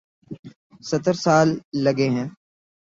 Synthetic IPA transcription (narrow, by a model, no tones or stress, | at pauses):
sɐt̪əɾsaːlːɐɡeɦɛ̃ː